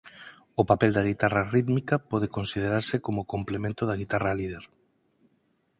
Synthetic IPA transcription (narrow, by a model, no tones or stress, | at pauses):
ʊpapeld̪aɣ̞it̪arɐriðmikɐpɔðekonsið̞eɾaɾsɪkomʊkomplemẽnt̪ʊðɐɣ̞it̪araliðeɾ